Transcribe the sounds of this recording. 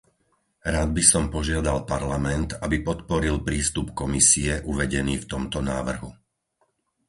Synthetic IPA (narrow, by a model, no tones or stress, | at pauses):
ɾaːd̪̚bisɔmpɔʒɪad̪alpaɾlamɛnt̪abipɔt̪pɔɾilpɾiːst̪upkɔmisiɛʔuʋɛɟɛniːft̪ɔmt̪ɔnaːʋr̩ɦu